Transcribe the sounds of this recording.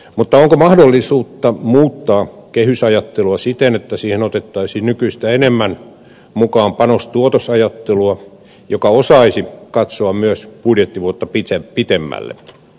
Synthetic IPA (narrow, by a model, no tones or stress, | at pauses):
mut̪ːɑoŋkomɑhdolːisuːt̪ːɑmuːt̪ːɑːkehysɑjɑt̪ːeluɑsit̪enet̪ːæsiːhenot̪et̪ːɑisiːnnykyist̪æenemːæn | mukɑːmpɑnost̪uot̪osɑjɑt̪ːeluɑ | jokɑosɑisikɑt̪soɑmmyøspudjet̪ːiʋuot̪ːɑpit̪epit̪emːæ̰lːḛ